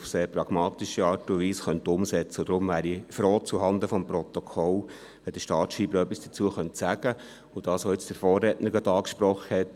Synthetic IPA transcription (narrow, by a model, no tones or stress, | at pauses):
fseːɾpɾɑɡ̥mɑːtiʃəɑːrtʊʋiːsχœnt̪ʊmsɛt͡səʊd̥̪ɾʊmʋæːɾifɾoːt͡suɦɑnd̪əfɔmpɾɔt̪ɔkʰɔl | ʋɛd̥̪əʃtɑːtʃiːbəɾœpːisd̥ə̥t͡suəχœntsæːɡ̥ə | ʊd̥ɑːsʋɔɪt͡sd̥əɾfɔːrːɛːtnəɾɡ̥ɑd̪ɑːkʃpɾɔχəhɛt